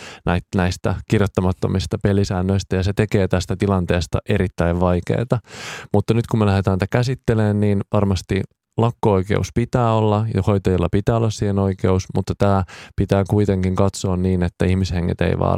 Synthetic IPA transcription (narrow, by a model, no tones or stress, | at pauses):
næit̪næist̪æ̰kirjot̪ːɑmɑt̪ːo̞̰mist̪ɑpelisænːøist̪æjɑset̪eke̞ːt̪æst̪æt̪ilɑnt̪e̞ːst̪ɑ̰ʔe̞ɾit̪ːæiʋʋɑjkḛːt̪ɑmut̪ːɑnyt̪kumelæhet̪ænit̪ækæsit̪ːeleːnniːnʋɑrmɑst̪i | lɑkːooikḛuspit̪æːolːɑjɑho̞jt̪ɑjilːɑpit̪æːolːɑssiːheno̞ikeusmut̪ːɑt̪æːpit̪æːkuit̪e̞ŋkiŋkɑt̪so̞ːnniːnet̪ːæihmisheŋːḛt̪ḛiʋɑ̰ː